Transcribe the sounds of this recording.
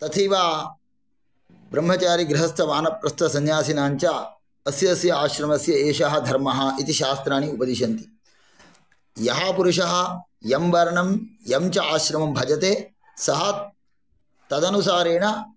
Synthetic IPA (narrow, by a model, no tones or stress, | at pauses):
t̪ɐt̪ʰiʋaː | bɾɐmɦɐt͡ʃaːɾiɡɾɪɦɐst̪ɐʋaːnɐp̚ɾɐst̪ɐsɐnjaːsinaːɲt͡ʃaː | ɐsjɐːsjɐaːʃɾɐmɐsjɐeːʃɐɦɐ̆d̪ʱɐɾmɐɦɐ̆it̪iʃaːst̪ɾaːniupɐd̪iʃɐnt̪i̥ | jɐɦapuɾuʂɐɦɐ̆ | jɐmʋɐɾɐɳɐmjɐmt͡ʃɐaːʃɾɐmɐmbʱɐd͡ʒɐt̪eː | sɐɦɐ | t̪ɐd̪ɐnusaːɾeːɳɐ